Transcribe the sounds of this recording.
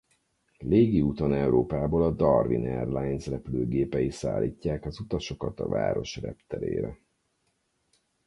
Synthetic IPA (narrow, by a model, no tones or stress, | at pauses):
leːɡiut̪o̞nɛwɾoːpaːboːlɒd̪ɒrvinɛrlajnzrɛpløːɡeːpɛjisa̰ːlʔiːcːaːkɒzut̪ɒʃo̞kɒt̪ɒ̰va̰ːɾo̞ʃrɛ̰pt̪ɛɾḛːɾɛ